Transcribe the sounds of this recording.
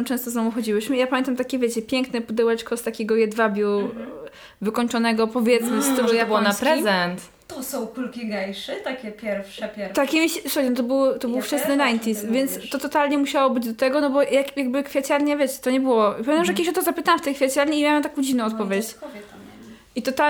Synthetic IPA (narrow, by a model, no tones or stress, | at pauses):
mt͡ʂɛ̃st̪ɔzɔvɔ̃wxɔd͡ʑiwɘɕmɘijapamʲɛnt̪amt̪akʲɛvʲjɛt͡ɕɛpʲjɛŋknɛpud̪ɛwɛt͡ʂkɔst̪akʲɛɡɔjɛd̪vabʲju | vɘkɔɲʲt͡ʂɔnɛɡɔpɔvʲjɛt̪smɘst̪uɾjabwɔnapɾɛzɛnt̪ | t̪usɔ̃w̃kulkʲiɡajʂɛt̪akʲɛpʲjɛɾfʂɛpʲɛt̪akʲɛmʲiɕɛsuaɾɛnɔt̪̬ɔbɨwt̪ɔbɘwft͡ʂɛsnɨɾajnt̪ʲisvʲjɛnt̪st̪ɔt̪ɔt̪alɲɛmuɕawɔbɘd͡ʑd̪ɔt̪ɛɡɔnɔbɔjakjaɡ̚bɘkfʲjat͡ɕaɾɲɛvʲjɛt͡ɕɛ̥t̪ɔɲɛbɘwɔpamʲɛ̃namʐɛjkʲeɕɔt̪ɔzapɘt̪awmft̪ɛjkfʲjat͡ɕaɾɲɛimʲawamt̪akɔ̃w̃d͡ʑivnɔ̃w̃ɔt̪pɔvʲjet͡ɕvʲ | ʔit̪ɔt̪a